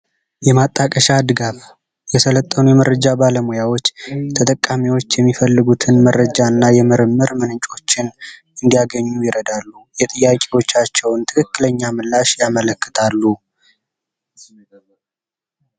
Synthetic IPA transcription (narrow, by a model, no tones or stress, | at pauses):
jɛmat̪ʼːakʼəʃad̪ɨɡaf | jɛsələt̪ʼːənujɛməɾəd͡ʒabaləmojawo̞t͡ʃːt̪ʰət̪ʼəkʼːamiwo̞t͡ʃːjɛmːifəlːɨɡut̪ʰɨnmərəd͡ʒanːajɛmɨɾɨmːɨɾmɨnɨnt͡ʃʼo̞t͡ʃːɪn | ɨnd̪ijaɡəɲːujɪɾəd̪alːujɛt̪ʼɨjːakʼewo̞t͡ʃːat͡ʃːɛwnt̪ʰɨ̥kʰɨkːɨləɲːamɨlːaʃjamələkːə̥t̪ʰalːu